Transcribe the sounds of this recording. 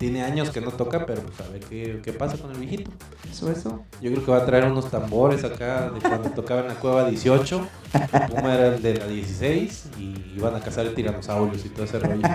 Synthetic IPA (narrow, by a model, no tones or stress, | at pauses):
t̪jene̞aɲo̞skeno̞t̪o̞kape̞ɾopwesaβeɾkeke̞pasakonelβjexit̪o | soeso | ɟ͡ʝokɾeokeβaːt̪ɾae̞ɾuno̞st̪ambo̞ɾe̞sakaðekwand̪ot̪o̞kaβaenlakweβaðje̞sjo̞t͡ʃo̞ | pumaeɾaeld̪elaðje̞sisejs | iiβanakasaɾt̪iɾand̪osawljosit̪oðeserojo